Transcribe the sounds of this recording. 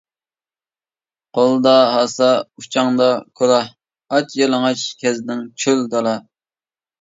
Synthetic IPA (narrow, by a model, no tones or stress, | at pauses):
qʰolˠd̪ɑɦɑsɑut͡ʃʰɑŋd̪ɑkʰolˠɑh | ɑt͡ʃjɑlˠəŋɑt͡ʃkʲʰɛznɪŋt͡ʃʰøld̪ɑlˠɑ